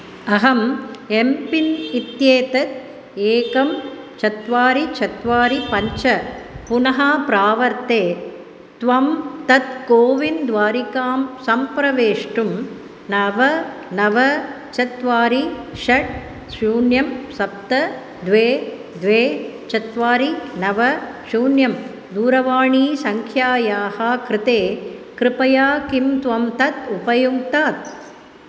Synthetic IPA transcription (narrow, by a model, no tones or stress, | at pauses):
ɐɦɐmempinit̪jeːt̪ɐt̪̚ | eːkɐm | t͡ʃɐt̪ʋaːɾit͡ʃʰɐt̪ʋaːɾipɐɲt͡ʃɐpunɐɦaːpɾaːʋɐɾt̪eː | t̪ʋɐmt̪ɐt̪̚koːʋind̪ʋaːɾikaːmsɐmpɾɐʋeːʂʈum | nɐʋɐnɐʋɐ | t͡ʃɐt̪ʋaːɾiʃɐʈ̚ | ʃuːnjɐmsɐp̚t̪ɐ | d̪ʋeː | d̪ʋeː | t͡ʃɐt̪ʋaːɾinɐʋɐ | ʃuːnjɐm | d̪uːɾɐʋaːɳiːsɐŋkʰjaːjaːhakɾɪt̪eːkɾɪpɐjaːkimt̪ʋɐmt̪ɐt̪upɐjuɡt̪aːt̪̚